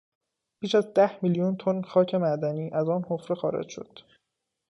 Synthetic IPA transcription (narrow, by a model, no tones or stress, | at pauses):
b̥iːʃæzd̪æhmiljunt̪ʰonxɒːcʰe̞mæd̪æniːʔæzɒːnhofɾexɒːɾḛd͡ʒʃo̞̰d̪̥